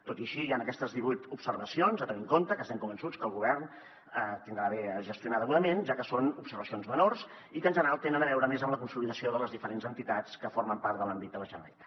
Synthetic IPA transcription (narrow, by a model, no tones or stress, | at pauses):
t̪ot̪iəʃijanəkɛst̪əzðiβujt̪upsərβəsionzət̪əniŋkont̪əkəst̪ɛŋkumbənsut͡skəlˠɣuβ̞ɛrn | ət̪ind̪ɾaːβɛʒəst̪iunatðəɣuðəmenʒakəsonupsəɾβəsionzmənors | ikənʒənəɾalˠt̪enənəβɛwɾəmezəmləkunsuliðəsioðələzðifəɾenzənt̪it̪at͡skəforməmpaɾt̪d̪əlambid̪̚d̪ələʒənɔ̰j